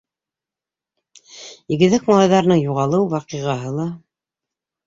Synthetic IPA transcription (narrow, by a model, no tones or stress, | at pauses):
ĭɡɘ̆ðɘkmɑlˠɑjðɑɾɤ̆nɤɴjuʁɑlˠɤwwɑqɤ̆ʁɑɦɤlˠɑ